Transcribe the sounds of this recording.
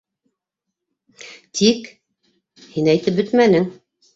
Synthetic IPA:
t̪ʰik | hinæjt̪ɘp̚bɵt̪mænɘŋ

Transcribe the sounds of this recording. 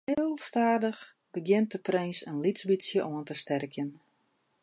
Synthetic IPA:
ɪːllˠstaːdəx | bəɡjɪnt̚əprejnsənlisbisjəʔɔəntəstɛrkʰjən

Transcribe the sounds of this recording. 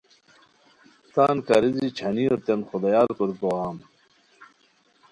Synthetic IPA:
t̪aːnkɐɾizit͡ɕʰɐnioɾt̪enxod̪ɐjaːɾkoɾkoaːm

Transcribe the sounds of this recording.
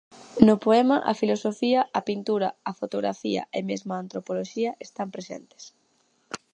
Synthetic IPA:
nopoɛmɐʔɐ̰filosofiɐɐpint̪uɾɐɐfot̪oɣɾa̰fiɐ̰ʔemezmaːnt̪ɾopoloʃiɐʔest̪ampɾesḛnt̪e̥s

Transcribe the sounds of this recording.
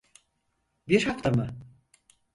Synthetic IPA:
biɾhaft̪amɯ

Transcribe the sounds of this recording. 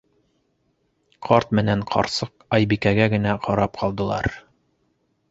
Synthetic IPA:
qʰɑɾt̪mɘ̆næɴqʰɑ̰ɾsɤqɑjbikæɡæɡɘ̆næqʰɑɾɑp̚qʰɑlˠd̪ɤ̆lˠɑ̰ɾ

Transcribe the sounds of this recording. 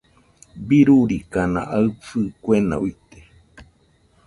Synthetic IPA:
biɾuɾikanã̰ʔaɨt͡sɨkwena̰uit̪e̥

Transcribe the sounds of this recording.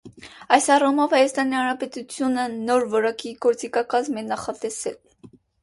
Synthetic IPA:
ɑjsɑrumɔvhɑjɑst̪ɑnihɑnɾɑpɛt̪ut͡sʰjunənɔɾvɔɾɑkiɡɔɾt͡sikɑkɑzmɛnɑχɑt̪ɛsɛl

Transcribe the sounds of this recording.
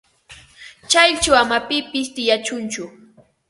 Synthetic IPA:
t͡ʃajt͡ʃawamapɪpɪst̪ɪjat͡ʃʊnt͡ʃʊ

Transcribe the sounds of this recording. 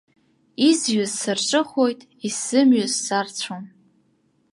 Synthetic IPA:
izɥʊzsɨrʈ͡ʂʷʼɨχojtʼ | isɨmɥʊzːart͡ɕʷʰom

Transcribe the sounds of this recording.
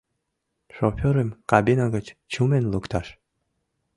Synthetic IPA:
ʃofʲoɾemkɑbinɑɣət͡ɕt͡ɕumenlukt̪ɑʃ

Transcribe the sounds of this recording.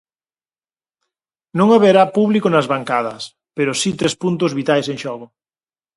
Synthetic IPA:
nõŋaβeɾapuβlikonazβaŋkað̞ɐs | peɾosit̪ɾespunt̪ozβit̪ajseŋʃɔɣʊ

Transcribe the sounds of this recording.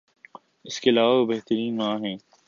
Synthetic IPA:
ɪskeːlaːʋabɛɦt̪əɾiːnmãːɦɛ̃ː

